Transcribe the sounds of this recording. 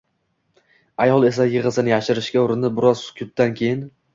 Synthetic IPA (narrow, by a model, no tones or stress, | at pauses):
ajɒlˠe̞sajɪʁɨsɪnɪjaʃɪɾɪʃkʲaʊɾɪnɪbɪɾɒz̥kʲʰʊp̚t̪ankʲʰe̞jɪn